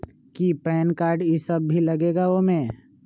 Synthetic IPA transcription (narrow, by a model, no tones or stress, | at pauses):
kipɛːnkaːɾɖisəbːilɐɡeːɡaomẽ